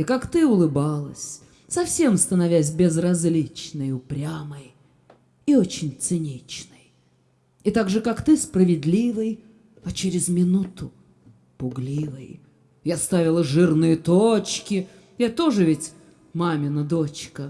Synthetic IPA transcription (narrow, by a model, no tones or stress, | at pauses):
ɪkakt̪ɨʊlˠɨbalˠəsʲ | sɐfsʲe̞mst̪ənɐvʲæsʲbʲɪzrɐzʲlʲit͡ɕnəjʊpɾʲaməj | iot͡ɕɪnʲt̪sɨnʲit͡ɕnəj | ɪt̪aɡʐɨkakt̪ɨspɾəvʲɪd̪ʲlʲivɨj | ɐt͡ɕɪɾʲɪzmʲɪnut̪ʊ | pʊɡlʲivəj | jast̪avʲɪlˠəʐɨrnɨjət̪ot͡ɕkʲɪ | jat̪o̞ʐɨvʲɪtʲ | mamʲɪnɐd̪ot͡ɕkə